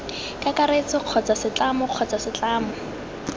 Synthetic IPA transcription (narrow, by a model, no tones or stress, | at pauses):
kakaɾet͡sɪq͡χʰɔt͡sasɪt͡ɬamʊq͡χʰɔt͡sasɪt͡ɬaːmʊ